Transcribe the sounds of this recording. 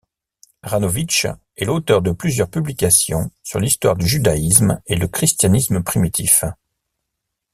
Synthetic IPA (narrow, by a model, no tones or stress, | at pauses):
ʁanovit͡ʃ | ɛlot̪œʁd̪əplyzjœʁpyblikʲasjɔ̰̃syʁlist̪wa̰ʁd̪yʒyd̪ais̬meləkχist̪janisməpχimit̪ʰif